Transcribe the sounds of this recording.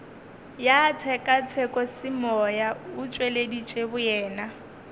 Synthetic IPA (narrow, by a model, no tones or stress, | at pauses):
jat͡sʰɛkʼat͡sʰɛkʼɔsɪmɔjaʊt͡ʃʼweledit͡ʃʼebʊjɛːna